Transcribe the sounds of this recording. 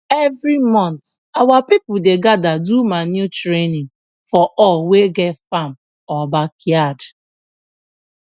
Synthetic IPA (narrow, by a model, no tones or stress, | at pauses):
evɾimɔ̃nt | awapipʊdeɡadadumanjutɾenɪŋ | fɔʔɔweɡɛtfam | ɔbakiad